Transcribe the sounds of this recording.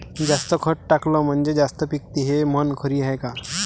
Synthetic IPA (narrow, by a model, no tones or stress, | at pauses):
d͡zast̪əkʰəʈʈaklɔm̤əɳd͡ʒed͡zast̪əpik̚t̪iɦemənkʰəɾiɦajkaɾ